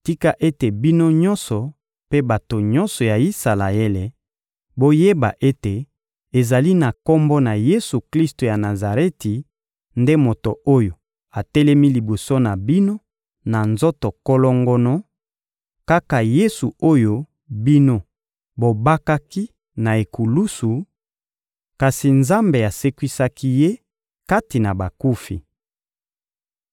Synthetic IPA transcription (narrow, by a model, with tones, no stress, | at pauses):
ti˦ka˦ʔe˦te˨bi˦no˦ɲɔ̃˦nsɔ˨ | pe˦ba˨to˨ɲɔ˦nsɔ˨ja˨i˦sa˨la̰˨e˦le˨ | bo˦je˦ba̰˨ʔe˦te˨ | e˨za˨li˦na˨kɔ˦mbɔ˦na˨je˦su˨kli˦sto˨ja˨na˨za˨ʁe˦ti˨ | nde˦mo˨to˨o˦jo˨ | a˨tɛ˦lɛ˦mi˦li˨bo˨so˦na˨bi˦no˦ | na˨nzo˦to˨ko˦lɔ˦ŋɡɔ˦nɔ˦ | ka˦ka˨je˦su˨o˦jo˦ | bi˦no˦ | bo˨ba˦ka˦ki˦ | na˨e˨ku˨lu˦su˨ | ka˨si˨nza˦mbe˨a˨se˦kwi˦sa˦ki˦je˦ | ka˦ti˨na˨ba˨ku˦fḭ˨